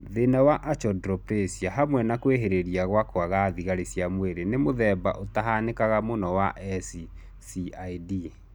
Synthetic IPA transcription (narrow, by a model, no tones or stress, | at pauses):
ðenawaʔat͡ʃɔdɾɔpɾesiaɦamwɛnakweɦeɾeɾiaɣwakoaɣaðiɣaɾesjamweɾenemoðɛːba̰ʔotaɦanekaɣamonɔwaʔɛsi | siaidi